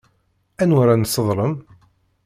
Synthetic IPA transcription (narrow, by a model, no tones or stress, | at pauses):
ænwaɾansːəðˤɾˤəm